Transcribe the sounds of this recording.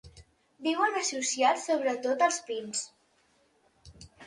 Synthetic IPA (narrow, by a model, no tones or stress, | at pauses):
d̪iwənəsusiasoβ̞ɾət̪ot̪əlˠspins